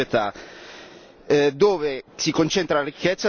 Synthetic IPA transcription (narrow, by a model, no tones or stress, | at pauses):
et̪a | d̪oːvesikont͡ʃent̪ɾalaɾikːet̪sːa